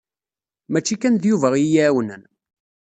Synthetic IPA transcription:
mæt͡ʃːikænðjuvæʁijæːwənən

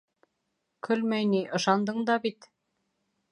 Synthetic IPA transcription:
kʰɵlmæjniʔɤ̆ʃɑnd̪ɤɴd̪ɑbit̪

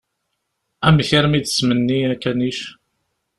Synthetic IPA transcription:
æmçiɾmid̪əsmənːiækːæniʃ

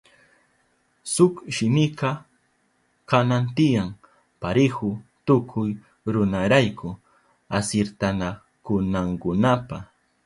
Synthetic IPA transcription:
sʊkʃɪmɪqɑ | kanant̪ɪjaŋ | paɾɪhʊt̪ʊkʰʊj | ɾʊnaɾajkʊ | asɪɾt̪ana | kʊnaŋkʊnapa

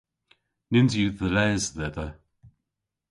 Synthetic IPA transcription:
nɪnzjuðəlɛːzðɛd̪ə

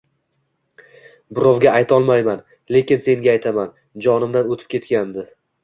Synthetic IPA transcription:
bʊɾɒvɡʲaajt̪ʰɒlˠmajman | le̞kʲɪnse̞ŋɡʲaːjt̪ʰaman | d͡ʒɒnɪmd̪anot̪ʰɪ̥p̚kʲe̞t̪kʲand̪ɪ

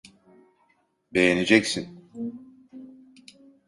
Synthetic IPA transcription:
be̞jened͡ʒɛcsin

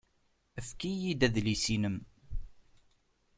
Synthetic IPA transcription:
əfkijid̪æðlisinəm

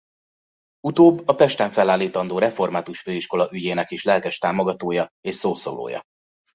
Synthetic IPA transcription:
ut̪oːbːɒpɛʃt̪ɛɱfɛlːaːlːiːt̪ɒnd̪oːɾɛfo̞rmaːt̪uʃføːiʃko̞lɒʔyɟeːnɛkeːʃlɛlkɛʃt̪aːmo̞ɡɒt̪oːjɒeːʃsoːso̰lo̰ːjɒ̰

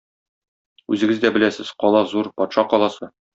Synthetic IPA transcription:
ʉzɘ̆ɡɘzd̪æbɘ̆læsɘzqɒlˠɑzuɾpɒt̪ʃɑqɒlˠɑsɤ

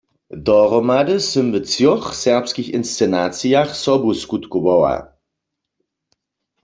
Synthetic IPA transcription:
dɔʁɔmadəsəmvət͡sjɔχsɛʁpskixɪnst͡sɛnaːt͡sijaχsɔbuskut̪kuwɔwa̰

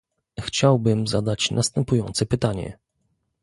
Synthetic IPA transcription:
xt͡ɕawbɘmzad̪at͡ɕnast̪ɛmpujɔnt̪sɛpɘt̪aɲɛ̰

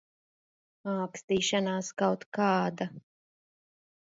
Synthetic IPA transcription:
aːkst̪iːʃanaːskawt̪kɑːd̪a

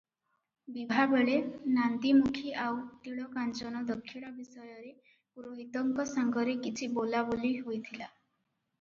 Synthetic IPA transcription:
bibʱabeɭenant̪imukʰiʔawt̪iɭɔkant͡ʃɔnɔd̪ɔkʰːiɽabisɔjɔɾe | puɾoɦit̪ɔŋkɔsaŋɡɔɾekit͡ʃʰibolaboliɦojt̪ʰila

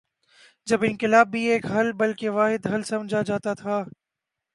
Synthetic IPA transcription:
d͡ʒɐbɪnkɪlaːbːʱieːkɦɐlbɐlkeʋaːɦɪd̪ɦɐlsɐ̃md͡ʒʱad͡ʒaːt̪at̪ʰaː

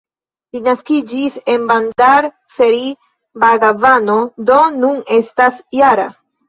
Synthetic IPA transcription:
linaskid͡ʒise̞nbandaɾ | feɾi | baɡavano̞do̞nune̞stasjaɾa

